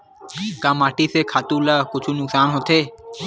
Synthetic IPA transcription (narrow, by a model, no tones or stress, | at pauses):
kãːmaːʈiːseːkʰaːt̪ũːləːkʊt͡ʃʰuːnʊksaːnɦot̪ʰeː